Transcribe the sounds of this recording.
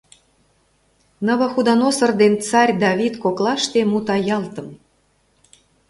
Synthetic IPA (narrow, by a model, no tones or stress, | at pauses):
nɤ̆βɤ̆xud̪ɑnosɤ̆rd̪ent͡sɑrʲd̪ɑβʲit̪koklˠɑʃt̪emut̪ɑjɑlt̪ɤ̆m